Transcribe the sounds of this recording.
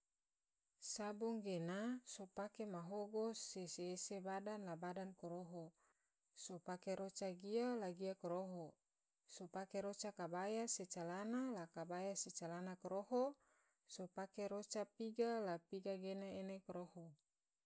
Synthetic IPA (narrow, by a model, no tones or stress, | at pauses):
sabɔŋɡenasopakemaɦoɡoseseːsebadanlabadankoɾoɦo | sopakeɾot͡ʃaɡialaɡiakoɾoɦo | sopakeɾot͡ʃakabajaset͡ʃalanalakabajaset͡ʃalanakoɾoɦo | sopakeɾot͡ʃapiɡalapiɡaɡenaenekɾoho